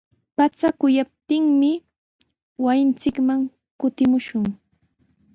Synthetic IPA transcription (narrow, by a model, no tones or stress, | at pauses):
pat͡sakʊjap̚t̪ɪŋmɪ | wajɪnt͡sɪkmaŋ | kʊt̪ɪmʊʃʊŋ